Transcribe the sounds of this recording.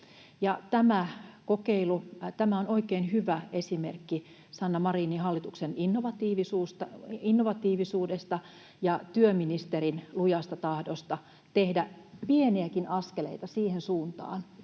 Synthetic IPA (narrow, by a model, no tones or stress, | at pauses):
jɑt̪æmækokeilut̪æmæonoikeːnhyʋæʔesimḛrkːi | sɑnːɑmɑriːniɦɑlːit̪ukseninːoʋɑt̪iːʋisuːst̪ɑinːoʋɑt̪iːʋisuːdest̪ɑ | jɑt̪yøminist̪eɾinlujɑst̪ɑt̪ɑhdost̪ɑ | t̪ehdæ | pieniækinɑskelḛit̪ɑsiːhensuːnt̪ɑ̰ːn